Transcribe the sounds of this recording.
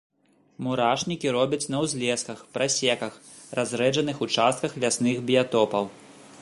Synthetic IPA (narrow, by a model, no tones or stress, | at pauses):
muɾaʂnʲikʲiɾɔbʲɐt͡sʲnɐwzʲlʲɛskɐxpɾasʲɛkɐx | razɾɛd͡ʐɐnɨxut͡ʂast̪̚kɐxlʲasnɨxbʲijat̪ɔpɐw